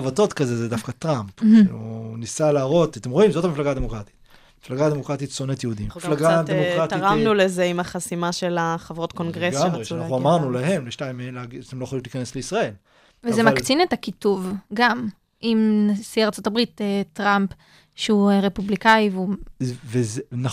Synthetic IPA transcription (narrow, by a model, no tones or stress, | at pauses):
avato̞t̪kazezedafkat̪ʁampṵnisalaːʁo̞tat̪emʁo̞imzo̞tamiflaɡaːd̪emokʁat̪i̥t̪ | mi̥flaɡad̪emo̞kʁat̪it̪sonetjehud̪imːilaɡad̪eokʁatiʁamnulezeimaχasimaʃelaχavʁo̞t̪konɡʁeɡamʁeanaχuamaʁnulaɦe̞mleʃtaimeenleaɡiat̪emloeχalimlikanesleisʁae̞l | vezemakt͡sinetakituvɡam | imnasiaʁt͡so̞tabʁitetʁamp | ʃeuʁe̞publikajivuvezna